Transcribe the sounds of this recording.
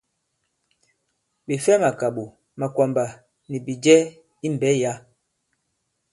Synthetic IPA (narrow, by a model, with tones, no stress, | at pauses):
ɓi˨fɛ˦ma˨ka˨ɓu˨ | ma˨kwa˨mba˨ | ni˨bi˨d͡ʒɛ˦ | i˦m˨bɛ˦ja˦